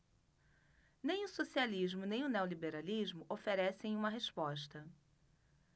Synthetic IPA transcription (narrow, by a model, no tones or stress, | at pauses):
nẽj̃ʊsosialiʒmʊnẽj̃ʊnewlibeɾaliʒmʊʔofeɾɛsẽj̃ũmɐɦespɔʃt̪ɐ